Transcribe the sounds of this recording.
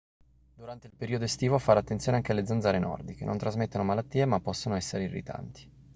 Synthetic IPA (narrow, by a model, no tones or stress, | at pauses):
d̪uɾant̪eilpeɾiːod̪oest̪iːvofaɾat̪ːent̪sjoːneaŋkealːed̪zandzaːɾenɔ̰rd̪ikḛnʔo̰nt̪ɾazmet̪ːonomalat̪ːiːemapːɔsːonoɛsːeɾeirːḭt̪a̰nt̪i̥